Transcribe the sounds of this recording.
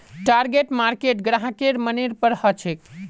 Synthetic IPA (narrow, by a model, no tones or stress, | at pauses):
ʈaɾɡeʈmaɾkeʈɡɾaɦãkeɾməniɾpəɾhət͡ʃʰek